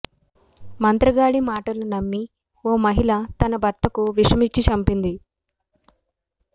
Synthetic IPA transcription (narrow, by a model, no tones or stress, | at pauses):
mɐnt̪ɾɐɡaːɽimaːʈɐlunɐmːi | oːmɐɦilɐt̪ɐnɐbʱɐɾt̪ɐkuʋiʂɐmit͡ʃːit͡ʃɐmpind̪i